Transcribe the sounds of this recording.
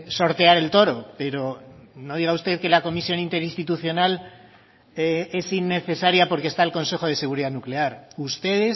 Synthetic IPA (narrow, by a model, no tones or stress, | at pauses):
so̞ɾt̪e̞aɾe̞lt̪o̞ɾo̞pe̞ɾo̞no̞ð̞iɣaust̪e̞ðke̞lako̞misjo̞nint̪e̞ɾinst̪it̪uθjo̞nal | e̞sinːe̞θe̞saɾjapo̞ɾkest̪aelko̞nse̞xo̞ð̞e̞se̞ɣ̞uɾiðanukle̞aɾust̪e̞ðe̞s